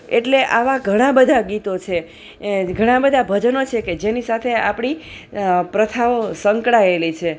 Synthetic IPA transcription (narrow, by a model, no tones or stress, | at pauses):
eʈleʔaʋaɡʱəɽ̃ãbəd̪ʱaɡit̪ot͡ʃʰe | ɡʱəɽ̃ãbəd̪ʱabʱəd͡ʒənot͡ʃʰeked͡ʒenisat̪ʰeapɽ̃i | pɾət̪ʰaosəŋkɽaelit͡ʃʰe